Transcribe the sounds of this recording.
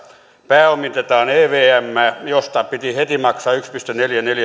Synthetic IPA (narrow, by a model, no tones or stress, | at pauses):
pæːomit̪et̪ɑːneːʋeːæmːæːjost̪ɑpit̪ihet̪imɑksɑːykspist̪øneljæneljæ